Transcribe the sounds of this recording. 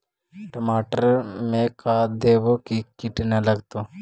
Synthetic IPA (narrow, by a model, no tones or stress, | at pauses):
ʈɐmaːʈɐɾmekad̪eːʋokikiʈinelɐɡt̪o